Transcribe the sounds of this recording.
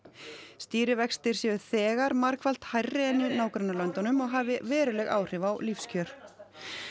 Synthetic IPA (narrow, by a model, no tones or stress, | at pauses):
st̪iːɾɪvɛkst̪ɪɾ̥sjɛːðʏθɛːɣaɾmaɾkval̥t̪hajrːɪɛnːinaːwkɾanːalœnt̪anʏmɔɣɦaːvɪvɛːɾʏlɛɣa̰ːwr̥ɪvawlifscʰœɾ̥